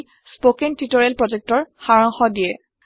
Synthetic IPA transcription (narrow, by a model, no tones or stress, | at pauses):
spokɛntitɔɹɛlpɹɔd͡ʒɛk̚tɔɹxaɹɔŋxɔdijɛ